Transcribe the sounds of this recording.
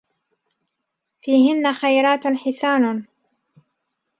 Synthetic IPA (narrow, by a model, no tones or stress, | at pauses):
fiːɦɪnːaxajɾˤaːt̪ħɪθaːna